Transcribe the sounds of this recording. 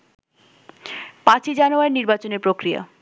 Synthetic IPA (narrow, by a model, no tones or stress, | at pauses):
pãt͡ɕʰid͡ʑanoaeniɾbat͡ɕoneɾpɾokɾija̰